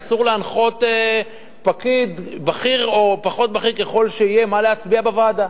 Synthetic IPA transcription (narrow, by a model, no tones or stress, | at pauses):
suʁleanχo̞t̪e | pakid̪baχiʁo̞paχo̞t̪̚baχiʁkeχo̞lʃeije̞maleat͡sbiabavaːd̪a